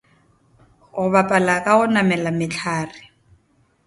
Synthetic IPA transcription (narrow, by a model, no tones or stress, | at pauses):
ʊβapʼalakʼaʊnamɛlamɪt͡ɬʰaːrɪ